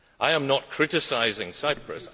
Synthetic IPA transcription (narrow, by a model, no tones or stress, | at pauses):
ʔaɪə̃mnət̚kʰɹ̥ɪtɪsaɪzɪ̃ŋsaɪpʰɹə̰s